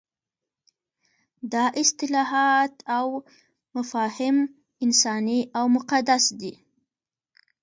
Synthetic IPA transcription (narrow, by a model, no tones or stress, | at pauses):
d̪ɑʔɪst̪ɪlɑɦɑt̪ʰaw | mafɑhɪm | ɪnsɑniʔawmʊqad̪asd̪i